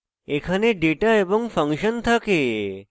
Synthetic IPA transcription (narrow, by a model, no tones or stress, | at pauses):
ekʰaneɖeʈaeboŋfʰəŋkʃənt̪ʰake